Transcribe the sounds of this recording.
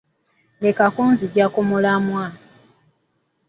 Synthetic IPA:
lekakuːnziɟakomulamwa

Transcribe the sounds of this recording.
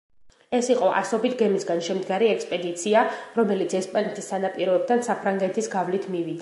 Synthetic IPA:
ɛsiqʼɔʔa̰sɔbit̪ʰɡɛmisɡanʃɛmd̪ɡaɾiɛkspʼɛd̪it̪sʰiaɾɔmɛlit̪sʰɛspʼanɛt̪ʰisːanapʼiɾɔɛb̚t̪ʰansapʰɾaŋɡɛt̪ʰisɡavlit̪ʰmivid̪a

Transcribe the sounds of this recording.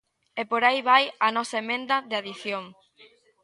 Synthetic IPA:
epoɾajβajɐnɔsɐemẽnd̪ɐðeaðiθjoŋ

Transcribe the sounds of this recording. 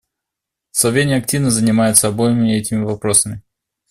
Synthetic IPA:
sˠɐvʲenʲɪɐk̚tʲivnəzənʲɪmajʊt̪səɐbojɪmʲɪɛtʲɪmʲɪvɐpɾosəmʲɪ

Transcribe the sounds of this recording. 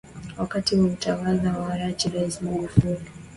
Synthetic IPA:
wakatiwautawalawaaɾat͡ʃiɾaismaɡufuɾi

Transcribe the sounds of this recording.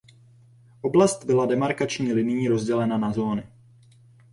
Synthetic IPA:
ʔo̞blast̪bɪladɛmaɾkat͡ʃɲiːlɪnɪjiːɾo̞zɟɛlɛnanazo̞ːnɪ

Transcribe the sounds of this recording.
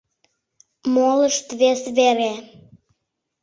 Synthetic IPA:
moləʃt̪βesβeɾe

